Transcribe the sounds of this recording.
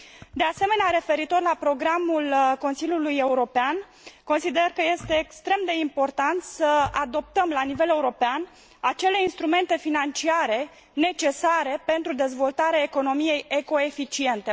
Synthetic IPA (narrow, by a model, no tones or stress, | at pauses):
d̪e̞ase̞me̞neaɾe̞fe̞ɾit̪o̞rlapɾo̞ɡɾamulko̞nsilʲjuluje̞uɾo̞pean | ko̞nsid̪erkəje̞st̪e̞ːkst̪ɾe̞md̪e̞impo̞rt̪ant̪səad̪o̞p̚t̪əmlanive̞le̞uɾo̞pean | at͡ʃe̞le̞inst̪ɾume̞nt̪e̞finant͡ʃiaɾe̞ | ne̞t͡ʃe̞saɾe̞pe̞nt̪ɾud̪e̞zvo̞lt̪aɾeaeko̞no̞mije̞je̞ko̞e̞fit͡ʃie̞nt̪e̞